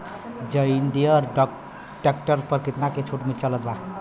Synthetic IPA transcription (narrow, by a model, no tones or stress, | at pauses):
d͡ʒəiɳɖijəɾɖɔ | ʈek̚ʈəɾpəɾkɾit̪naket͡ʃʰuʈmit͡ʃələt̪ba